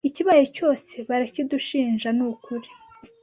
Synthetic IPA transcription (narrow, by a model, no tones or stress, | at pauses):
iciβajoco̞ːse̞βaɾaciduʃiːɲʒanukuɾi